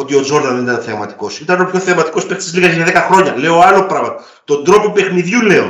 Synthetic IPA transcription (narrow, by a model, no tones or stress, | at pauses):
o̞t̪io̞d͡ʒo̞ɾðɐnðenit̪ɐnθeɐmɐt̪i̥ko̞sit̪ɐnopço̞θeɐmɐt̪i̥kospekt̪izliɣɐʝeneðekɐxɾo̞ɲɐle̞ooɐlo̞pɾɐɣmɐt̪o | t̪o̞nd̪ɾo̞pope̞xniðʝule̞o̰